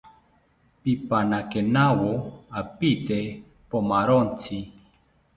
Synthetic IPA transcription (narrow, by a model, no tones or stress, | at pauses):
pipanakenawoapit̪e | pomaɾont͡si